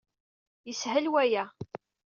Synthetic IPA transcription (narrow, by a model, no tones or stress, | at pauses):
jəsɦəlwæjæ